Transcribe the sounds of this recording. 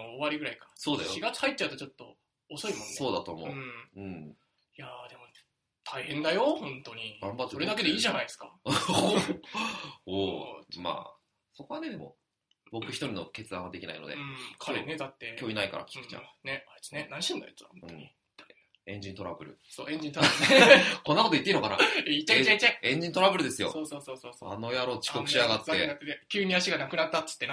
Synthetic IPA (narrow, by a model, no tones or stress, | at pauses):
oːβaɾʲiɡɯ̟ɾaikasoːd̪ajɕoiɡat͡sɨ̥hait̪ːt͡ɕaɯ̟t̪ot͡ɕo̞t̪ːo̞̰ | oso̞imonso̞ːd̪at̪o̞ːmõ̞̰ɯ̟̃ɴ | jad̪e̞mo̞ | t̪ʰaihẽnd̪ajohõ̞nt̪o̞ɲ̟iɡãmbat̪ːesoɾed̪ake̞d̪eiːʑanaisɨ̥ka | oːma̰ː | so̞ko̞βane̞d̪e̞mo̞̰ | bo̞kɯ̟çi̥t̪o̞ɾʲino̞ke̞t͡sɨd̪ãad̪ekʲina̰ino̞̰d̪e̞kʰaɾened̪at̪ːekʲjo̞ːinaikaɾa̰kʲi̥kɯ̥t͡ɕa̰neainenaɲiɕĩnd̪aet͡sɨaɯ̟̃ | ẽ̞ɲ̟d͡ʑĩnt̪o̞ɾabɯ̟ɾɯ̟̰soːẽɲd͡ʑĩnt̪o | ko̞nːakot̪oitːeinokana̰eit͡ɕːaiait͡ɕːaẽ̞ɲ̟d͡ʑĩnt̪o̞ɾabɯ̟ɾɯ̟d̪e̞sɨjo̞̰soːsoːsoːsoːsoa̰no̞jaɾo̞t͡ɕi̥ko̞k̪ɯ̥ɕiaɡat̪ːeakd̪ekʲɨːɲ̟iaɕiɡanakɯ̟nat̪ːat͡sɨ̥t̪ːen